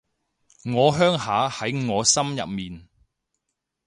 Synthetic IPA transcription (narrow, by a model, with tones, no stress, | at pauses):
ŋɔː˨˧ɦœː˥ŋhaː˨˥hɐ˨˥jŋɔː˨˧sɐ˥mjɐ̰˨p̚miː˨n